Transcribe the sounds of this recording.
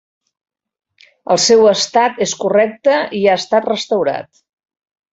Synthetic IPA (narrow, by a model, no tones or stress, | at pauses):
əlˠsɛwəst̪at̪eskurɛk̚t̪əiaəst̪at̪rəst̪əwɾa̰t̪